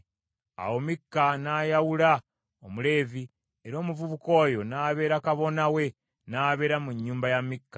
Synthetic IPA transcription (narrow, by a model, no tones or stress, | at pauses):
a̰wo̞mikːanaːjawula | omule̞ːvi | eɾo̞ːmuvuβuko̞ːjo̞naːβe̞ːɾakaβo̞nawe̞ | naːβe̞ːɾamuɲːuːmbajamikːḁ